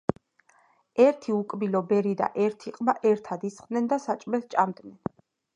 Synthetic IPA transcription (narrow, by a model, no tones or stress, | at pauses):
ɛɾt̪ʰiukʼbilɔbɛɾid̪a̰ʔɛɾt̪ʰiqʼmaʔɛɾt̪ʰad̪isχʼd̪nɛnd̪asat͡ʃʼmɛt̪t͡ʃʼamd̪ʼnɛn